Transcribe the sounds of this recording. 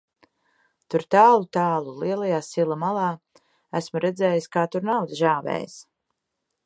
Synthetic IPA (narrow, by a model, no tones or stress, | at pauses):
t̪uɾt̪aːlˠut̪aːlˠuliɛlˠajaːsilˠamalˠɑː | æsmuɾʔɛd̪zɛːjiskaːt̪uɾnawd̪ʒaːvɛ̰ːj̰s